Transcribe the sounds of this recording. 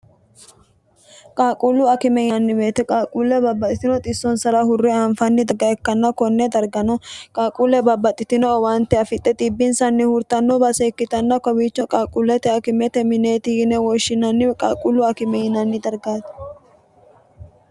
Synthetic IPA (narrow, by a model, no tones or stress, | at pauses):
kʼaːkʼulʊɐkɪmɛjɐnːɪbeːt̪ɛkʼaːkʼulɛbɐbːɐt̪ʼɪt̪ɪnɔt̪ʼɪsːɔnsɐɾɐhʊrːɪaːɱfɐnːɪd̪ɐɡɐɛkːɐnːɐkɔnːɛd̪ɐɾɡɐnɔkʼaːkʼuːlɛbɐbːɐt̪ʼːɪt̪ɪnɔwaːnt̪ːɛɐfɪt̪ʼːɛt̪ʼiːbːɪnsɐnːɪhʊɾt̪ɐnːɔbɐsekːɪt̪ɐnːɐkɔbit͡ʃːɔkʼaːkʼulɛt̪ɛɐkɪmɛt̪ɛmɪneːt̪ɪɡɪnɛwɔʃːɪnɐnːɪkʼaːkʼulʊɐkɪmɛjɪnɐnːɪd̪ɐɾɡaːt̪